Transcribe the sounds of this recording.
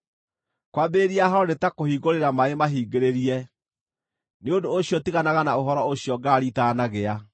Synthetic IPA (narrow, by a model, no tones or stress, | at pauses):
kwabeːɾiaɦaɔnetakohiːɣoɾeɾamaemaɦiːɡeɾeɾiɛ | neodoːɕijɔtiɣanaɣanaoɦɔɾɔoɕiɔɡaːɾitanaɣea